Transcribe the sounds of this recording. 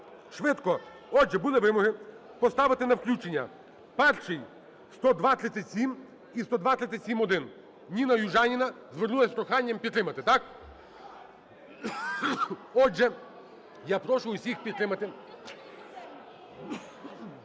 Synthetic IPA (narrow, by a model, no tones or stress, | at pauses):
ʃʋɪt̪kɔ | ɔd͡ʒɛbulˠɪʋɪmɔɦɪ | pɔst̪ɑʋɪt̪ɪnɐwklʲut͡ʃenʲːɐ̰ | pɛrʃɪj | st̪ɔd̪ʋasʲɐt̪ʲɪsʲim | ist̪ɔd̪ʋat̪ʲɐt̪ʲɪsʲimɔd̪ɪn | nʲinɐjuʒɑnʲinɐ | zʋernulɐsʲpɾɔxɑnʲːɐmpʲit̪t̪ɾɪmɐt̪ɪt̪ɑk | ɔʒɛ | japɾɔʃʊʊsʲixpʲid̪t̪ɾɪmɐt̪ɪ